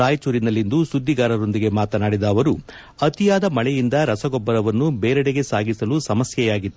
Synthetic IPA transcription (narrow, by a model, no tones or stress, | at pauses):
aːjt͡ʃuːɾinɐlːind̪usud̪ːiɡaːɾɐɾo̞nd̪iɡe̞maːt̪ɐnaːɽid̪ɐːʋɐɾu | ɐt̪ijaːd̪ɐmɐɭɛjind̪ɐɾɐsɐɡɔbːɐɾɐʋɐnːubeːɾɐɽeɡe̞saːɡisɐlusɐmɐsjɛjaːɡit̪ːu